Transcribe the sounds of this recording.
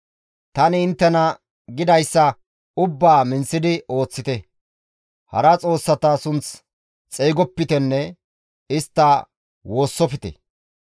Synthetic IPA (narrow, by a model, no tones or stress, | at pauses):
t̪ɐnɪɪnt̪ːɛnɐ | ɡɪd̪ɐjsːɐ | ʊbːaːmɪnsɪd̪ɪo̞ːt͡sːɪt̪ɛ | hɐ̰ɾɐt͡sʼo̞ːsːɐt̪ɐsʊnt͡s | t͡sʼeːɡɔpːɪt̪ɛnːɛ | ɪst̪ːɐ | wo̞ːsːɔfɪt̪ɛ̰